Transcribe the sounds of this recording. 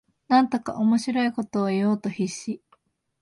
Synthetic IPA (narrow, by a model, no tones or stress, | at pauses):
nãnt̪o̞ka̰ʔomo̞ɕiɾo̞iko̞t̪o̞ːijo̞ːt̪o̞çiɕi